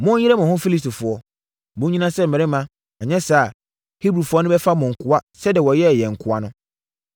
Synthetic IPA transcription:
mʊ̃˦ɪ˦ɾɛ˦mɔ̃˨hʊ̃˦fi˦li˦stu˨fʊ˨ɔ˦ | bʊ̃˦ɲĩ˦nã˦sɛ˦m̩˨ɪ̃˨ɪ˦mã˦ | ɛ˨ɲɛ̃˦saː˨ | hi˦bɾu˨fʊ˨˦ɔ˦nʊ̃˦bɛ˦fa˦mʊ̃˨ŋ̩˨kʰʊ˦a˦sɛ˦dɛ˨wɔ˨jɛ˦˨jɛ˨ŋ̩˨kʰʊ˨a˦nʊ̃˦

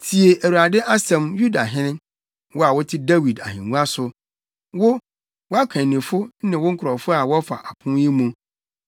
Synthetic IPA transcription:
tʰi˨e˨ʔæ˨wu˨ɾa˨dɪ˦ʔa˦sɛ̃˨mju˦da˨ɦɪ̃˦nɪ̃˦ | wɔ˦a˨wʊ˦tʰɪ˦da˦wi˨da̰˨hḭ̃˨ŋũ˦a˦sʊ˨ | wʊ˦ | wɔ˦a˦kʰɛ̃˨nɪ̃˨fʊ˦nɪ̃˨wʊ̃˦ŋ̩˦kʰʊ˨ɾɔ˨fʊ˦a˨wɔ˦fa̰˨ʔa˨kʰʊ̃˦ji˦mũ˨

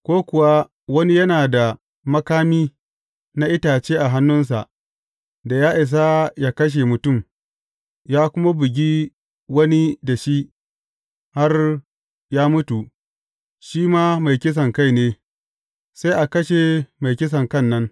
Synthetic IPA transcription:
kʷoː˦kʷʊ˨wa˦ | wɐ˦ni˦jɐ˦naː˨da˨ | mɐ˦kaː˦miː˦ | na˦ʔɪ˦taː˨t͡ʃeː˦ʔa˨ɦa˦nːʊ˦ns̬a˨ʔ | da˨jaː˦ʔɪ˨s̬a˦jaː˦kɐ˦ʃ̬e˨mʊ˨tʊ˦˨m | jaː˦kʷʊ˦ma˦bɪ˨ɡʲi˦ | wɐ˦ni˦da˨ʃi˦ʔ | ha˦r | jaː˦mʊ˦tu˨ | ʃiː˦maː˦ma˨jkʲɪ˦s̬ɐ˨ŋka˦jneː˦ | sa˦ʔa˨kɐ˦ʃe˨ma˨jkʲɪ˦s̬ɐ˨ŋkɐ˦˨nːɐ˦n

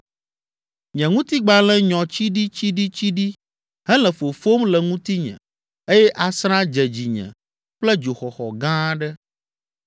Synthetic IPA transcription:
ɲɛ̃˨ŋũ˦t̪i˦ɡ͡ba˦lɛ̃˦ɲɔ̃˨t͡ɕi˦ɖi˦t͡ɕi˦ɖi˦t͡ɕi˦ɖi˦ | ɦɛ˦lɛ̃˨fo˨fo˦mlɛ˨ŋũ˦t̪i˦ɲɛ̰̃˨ | e˦jɛ˦ʔa˨sɾã˦d͡ʒɛ˨d͡ʑi˨ɲɛ̰̃˨ | ɸlɛ˦d͡ʒo˨xɔ˨xɔ̰˨ɡã˦ɖɛ˦

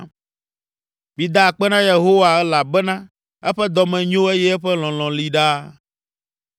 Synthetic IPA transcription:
mĩ˨d̪a˦˨k͡pɛ˦nã˦je˨ɦo˦wa˨ɛ˦la˨bɛ˦nã˦ | ɛ˦ɸɛ˦d̪ɔ˨mɛ̃˨ɲõ˦e˦jɛ˦ɛ˦ɸɛ˦l̃ɔ̃˨l̃ɔ̃˨li˦ɖa˦

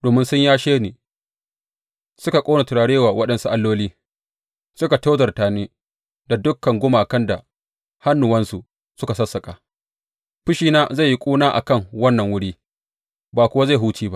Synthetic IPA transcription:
doː˨mɪ˦nsʊ˦ɲjaː˦ʃeː˦niː˨ | sʊ˦ka˨kʷʼoː˦na˨tʊ˨ɽaː˨ɽeː˦waː˨wɐ˦ɗɐ˨nsu˦ʔa˦lːoː˦liː˦ | sʊ˦ka˨ta˦zɐ˨rtaː˨niː˦ | da˨dʊ˦kːɐ˨ŋɡʷʊ˦maː˨kɐ˦nda˨ | ha˦nːu˨wɐ˦nsu˨ | sʊ˦ka˨sɐ˦sːɐ˨kʼaː˨ | ɸʊ˦ʃiː˦naː˦za˦˨ji˦kʷʼuː˦naː˦ʔa̰˨kɐ˦˨ŋwɐ˦nːɐ˨ŋwʊ˦ɽiː˦ | baː˨kʷʊ˦wa˦za˦˨ɦuː˦t͡ʃiː˦ba˦ʔ

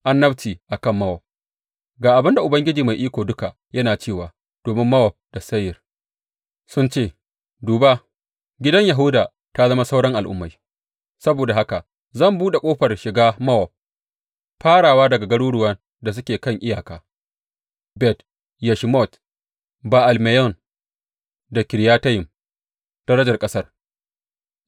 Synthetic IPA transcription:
ʔa˦nːɐ˦btiː˨ʔa˨kɐ˦˨mːɐ˦wɔ˨p̚ | ɡaː˨ʔa˨bɪ˦nda˨ʔʊ˨bɐ˦ŋɡʲɪ˦d͡ʒiː˨ma˨jʔiː˦kʷoː˨dʊ˦ka˨ | jɐ˦naː˨t͡ʃeː˦˨waː˨ | d̥oː˨mɪ˦mːɐ˦wɔ˨p̚d̥a˨sɐ˦jɪ˨r | sʊ˦nt͡ʃeː˦˨ | duː˨ba˦ | ɡʲɪ˦dɐ˦ɲja˨ɦʊ˦wdaː˨ | ta˦zɐ˦ma˦sa˦wɽɐ˦ŋʔa˨lʔʊ̰˦mːa˨j | sɐ˦boː˨da˨ha˦ka˨ʔ | zɐ˦˨mbuː˦ɗe˨kʷʼoː˦ɸɐ˨rʃɪ˨ɡaː˦mɐ˦wɔ˨p̚ː | aː˦ɽaː˨waː˦dɐ˨ɡa˨ɡɐ˦ɽuː˦ɽʊ˦wɐ˦n | da˨s̬ʊ˦kʲeː˨kɐ˦˨ŋʔɪ˦jaː˨kaː˦ | bɛ˦t | ja˨ʃmɔ˦˨t | baː˨ʔa˨lmɛ˨jɔ˦˨n | da˨kʲɪ˨ɾjaː˦ta˦jɪ˨m | d̥ɐ˦ɽɐ˦d͡ʒɐ˨rkʼɐ˦sɐ˦r

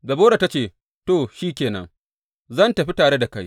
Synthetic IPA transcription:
dɐ˨boː˦ɽa˨ta˦t͡ʃeː˦˨ | to˨ʃiː˦kʲeː˨nɐ̰˦ŋ | zɐ˦˨ntɐ˨ɸi˦taː˨ɽe˦da˨ka˦j

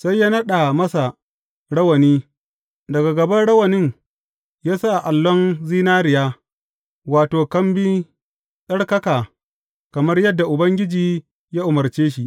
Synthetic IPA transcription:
sa˦jːa˦nɐ˦ɗa˨mɐ˦sa˨ | ɽɐ˦wɐ˨niː˦ | dɐ˨ɡa˨ɡɐ˨bɐ˦nɽɐ˦wɐ˨nɪ˦n | jaː˦sa˦ʔa˨ʔa˨lːɔ˦nziː˦naː˦ɾɪ˨jaː˦ | waː˨toː˨kɐ˦mbi˦ | sɐ˦ɽkɐ˦kaː˨ | kɐ˨mɐ˦rjɐ˦dːa˨ʔʊ˨bɐ˦ŋɡʲɪ˦d͡ʒiː˨ | jaː˦ʔʊ˨mɐ˨ɽt͡ʃeː˦ʃi˦ʔ

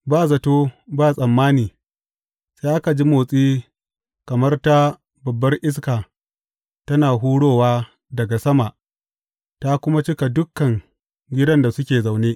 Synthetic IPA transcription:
baː˦˨zɐ˨toː˦baː˦˨sʼɐ˨mːaː˦niː˨ | sa˦jʔa˦ka˨d͡ʒi˦moː˨sʼiː˦ | kɐ˨mɐ˦rta˦ | bɐ˨bːɐ˦rʔɪ˦s̬kaː˨ | tɐ˦naː˨ɦuː˦ɽoː˦˨waː˦ | dɐ˨ɡa˨sɐ˦ma˨ʔ | ta˦kʷʊ˦ma˦t͡ʃɪ˦ka˨dʊ˦kːɐ˨ŋ | ɡʲɪ˦dɐ˦nda˨sʊ˦kʲeː˨za˨wneː˦ʔ

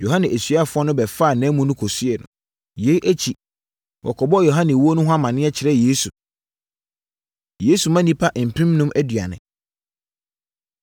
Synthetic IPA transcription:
jo˨ɦã˦nɪ̃˨ʔæ˨sɥa˦˨fʊ˦ɔ˦nʊ̃˦bɛ˨fa˦˨nɛ̃ː˨˦mũ˦nʊ̃˦kʰo˨su˦ɛ˨nʊ̰̃˨ | je˨˦ʔæ˦t͡ɕʰi˨ | wʔɔ̰˨kʰɔ˨bɔ˦˨jo˨ɦã˦nɪ̃˨wu˦o˦nʊ̃˦ɦa˦mã˨nɪ̃˦ɛ˦t͡ɕʰɪ˨ɾɛ˦jeː˦su˨ | jeː˦su˨mã˦nĩ˦pʰa˦ʔm̩˨pʰɪ̃˦mnʊ̃˦mʔæ˦dɥa˨nɪ̰̃˨

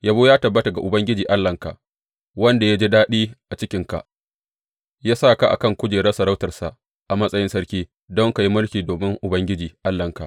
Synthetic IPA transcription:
jaː˦boː˦jaː˦tɐ˨bːɐ˦ta˨ɡa˨ʔʊ˨bɐ˦ŋɡʲɪ˦d͡ʒiː˨ʔa˦lːɐ˨ŋka̰˨ʔ | wɐ˦nda˨ja˦d͡ʒi˦daː˦ɗiː˦ʔa˨t͡ʃɪ˦kʲɪ˨ŋka̰˨ʔ | jaː˦sa˦˨ka˦ʔa̰˨kɐ˦˨ŋkʷʊ˦d͡ʒeː˨ɽɐ˦sɐ˨ɾa˦wtɐ˨rsa˨ | ʔa˨mɐ˦sʼɐ˦jɪ˦nsɐ˦rkʲiː˦ | dɔ˦ŋka˨ji˦mʊ˦lkʲiː˨doː˨mɪ˦ŋʔʊ˨bɐ˦ŋɡʲɪ˦d͡ʒiː˨ʔa˦lːɐ˨ŋka˨

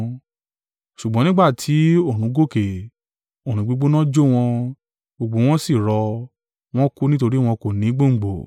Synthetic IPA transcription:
ʃu˨ɡ͡bɔ̃˧˦nĩ˦ɡ͡ba˦˨tʰi˨˦õ˦˨ũ˨˦ɡo˦˨ke˨ | o˨ɾ̃ũ˨˦ɡ͡bo˧˦ɡ͡bo˦nɔ̃˦d͡ʒo˦w̃ɔ̃˧ | ɡ͡bo˧ɡ͡bo˧˦w̃ɔ̃˦si˦˨ɾɔ˧ | w̃ɔ̃˦ku˦nĩ˦t̬o˧ɾi˦w̃ɔ̃˧ko˨nĩ˨˦ɡ͡bo˦˨ŋ͡m̩˨ɡ͡bo˨

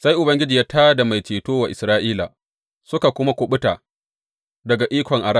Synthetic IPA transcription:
sa˦jʔʊ˨bɐ˦ŋɡʲɪ˦d͡ʒiː˨jaː˦taː˦da˨ma˨jt͡ʃeː˨toː˦wa˨ʔɪ˨sɾaː˦ʔiː˦la̰˨ | sʊ˦ka˨kʷʊ˦ma˦kʷo˨ɓʊ˦ta˨ | dɐ˨ɡa˨ʔiː˦kʷɔ˨ŋʔa˨ɾa˦

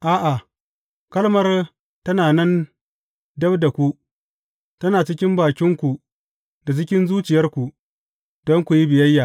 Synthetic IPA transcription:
ʔaː˦ʔa˨ | kɐ˦lmɐ˦r | tɐ˦naː˨nɛ˦n | dɐ˦bda˨kʷu˦ | tɐ˦naː˨t͡ʃɪ˦kʲɪ˦mbaː˨kʲɪ˦ŋkʷu˨ | da˨t͡ʃɪ˦kʲɪ˦nzuː˦t͡ʃɪ˨jɐ˦rkʷu˨ | d̥ɔ˦ŋkʷu˨ji˦bɪ˨jɐ˦jːaː˨

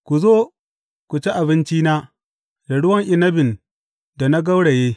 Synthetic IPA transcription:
kʷu˨zoː˦ | kʷu˨t͡ʃe˦ʔa˨bɪ˦nt͡ʃiː˦naː˦ | da˨ɽʊ˦wɐ˦ŋʔɪ˨nɐ˦bɪ˨n | da˨na˦ɡɐ˦wɽe˨jeː˦

